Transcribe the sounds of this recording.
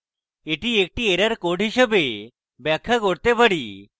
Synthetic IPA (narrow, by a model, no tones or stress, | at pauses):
eʈiek̚ʈieɾaɾkoɖʱɦiʃebe | bɛkʰːakoɾt̪epaɽi